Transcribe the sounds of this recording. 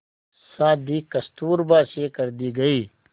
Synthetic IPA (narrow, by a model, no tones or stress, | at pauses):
saːd̪ikɐst̪uːɾbaːsekɐɾd̪iːɡɐiː